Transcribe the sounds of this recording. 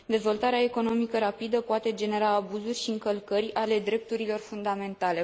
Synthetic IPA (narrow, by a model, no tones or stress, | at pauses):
d̪e̞zvo̞lt̪aɾeae̞ko̞no̞mikəɾapid̪əpoat̪e̞d͡ʒe̞ne̞ɾaːbuzurʲʃiɨŋkəlkərʲale̞d̪ɾe̞p̚t̪uɾilo̞rfund̪ame̞nt̪ale̞